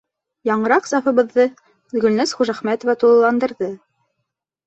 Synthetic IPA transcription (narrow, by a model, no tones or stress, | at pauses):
jɑɴɤ̆ɾɑqsɑfɤ̆βɤ̆ðːɤ | ɡɵ̆lnæsχuʒæχmæt̪ŏvæt̪ulˠɤ̆lˠɑnd̪ɤ̆ɾðɤ